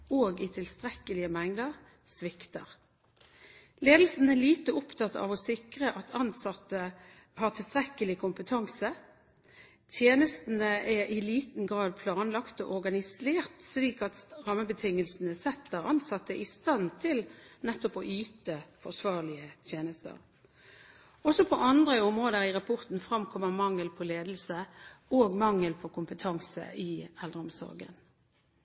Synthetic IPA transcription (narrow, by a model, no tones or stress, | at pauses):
oːɡɪt̪ʰɪlst̪ʁɛkəlɪəmɛŋd̪əʁ | sʋɪkt̪ə̰ʁ | leːd̪l̩sn̩ɛliːt̪əʊpt̪ʰɑt̪ːɑ̰ʋɔsɪkʁəʔɑt̪ʰɑnsɑt̪ːə | hɑːt̪ʰɪlst̪ʁɛkəlɪkʰʊmpət̪ʰɑŋsə | t̪ʰjeːnəst̪n̩əʔɛɪliːt̪n̩ɡʁɑːd̪̚pʰlɑːnlɑkt̪o̰ːʔɔʁɡɑnɪseːʁt̪sliːkɑt̪ʁɑməbət̪ʰɪŋːəlsn̩əsɛt̪ʰːəʁɑnsɑt̪ːəʔɪst̪ɑnt̪ʰɪlnɛt̪ːɔpɔʔyːt̪əfɔʁsʋɑːʁlɪət̪ʰjeːnəst̪ə̰ʁ | ɔsɔpʰɔʔɑnd̪ʁəɔmʁoːd̪əʁɪʁɑpʰɔʁt̪n̩fʁɑmkʰɔməʁmɑŋːəlpʰɔleːd̪l̩səoːɡmɑŋːəlpʰɔkʰʊmpət̪ʰɑŋsə̰ʔɪɛld̪ʁəɔmsɔ̰ʁɡə̰n